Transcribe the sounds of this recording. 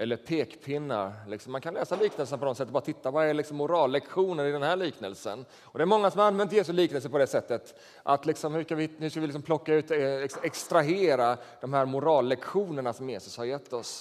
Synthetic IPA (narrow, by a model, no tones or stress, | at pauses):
ʔɛlːəɾpʰeːkpʰɪnːa̰ɾlɪksɔmːankʰanlɛːsaliːknəlsənapʰɔd̪ɔmsɛt̪ːɔbɑɾat̪ɪt̪ːavaæɭɪksɔmːʊɾɑːlːɛkɧuːnəɾɪd̪ɛnhæːɭiːknəlsə̰n | ɔd̪ɛæɾmɔŋːasɔmhaɾanvɛnt̪jeːs̬ɵliːknəls̬əpɔd̪ɛsɛt̪ːət̪ | ʔa̰t̪lɪksɔmhʉʂkavɪhʉʂkavɪlɪksɔmpʰlɔkːaʉ̟ːt̪ɪksɛkst̪ɾaɦeːɾad̪̥ɔmhæːɾmʊɾɑːlːɛkɧuːnəɳasɔmjeːsɵshaɾjɛt̪ːɔs